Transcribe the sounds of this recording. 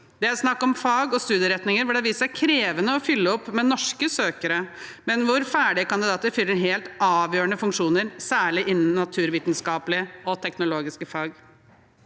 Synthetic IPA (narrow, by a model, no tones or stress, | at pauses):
d̪ɛæɾsnɑkːɔmfɑːɡɔst̪ʉːd̪jəɾɛt̪nɪŋəɾʋɪld̪ɛʋiːsəsæɪkʰɾeːʋənəɔfʏlːəɔpːmɛnɔʂkəsøːkəɾəmɛnʋʊɾfæːɖɪəkɑnd̪ɪd̪ɑːt̪əɾfʏlːəɾɦeːlt̪ɑːʋjøːɳəfʉŋkʂuːnəɾsæːɭɪʔɪnːn̩ːɑt̪ʰʉːɾʋiːt̪nskɑːpəlɪəɔt̪ʰɛknʊloːɡɪskəfɑːɡ